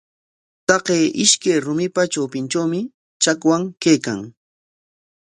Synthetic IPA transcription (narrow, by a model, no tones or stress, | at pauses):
t̪ɑqeːʔɪʃkajɾʊmɪpat͡ʃawpɪnt͡ʃawmɪ | t͡ʃakwaŋkejka̰ŋ